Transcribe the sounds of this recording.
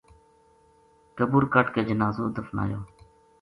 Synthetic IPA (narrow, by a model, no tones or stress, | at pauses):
kəbuːɾkəʈkeːd͡ʒənaːzoːd̪əfna̰ːjoː